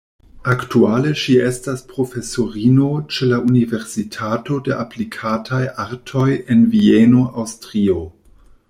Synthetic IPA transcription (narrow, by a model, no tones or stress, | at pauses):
aktuale̞ʃiestaspɾo̞fe̞soɾino̞t͡ʃe̞laʔunive̞ɾsitʰato̞de̞ʔaplikʰatʰajaɾtʰo̞je̞nvienoʔawstɾio̞